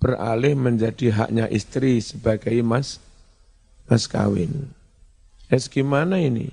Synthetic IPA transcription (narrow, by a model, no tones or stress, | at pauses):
b̥ərʔa̰lɪhməɲd͡ʒad̥i̤ɦa̰ʔɲaʔist̪ɾisəb̥aɡ̥aimas | maska̰wɪ̰n | ʔɛsɡimanainḭ